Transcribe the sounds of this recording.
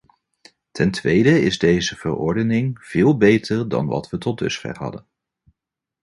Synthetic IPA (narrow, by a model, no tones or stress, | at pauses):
tʰɛntʋejdəɪzdejzəvə̰rɔ̰ɹdənɪŋv̥ɪːlˠbejtʰəɹdɑ̰nʋɑ̰tʋətɔt̚dɵ̰sχɛ̰rɦɑ̰dən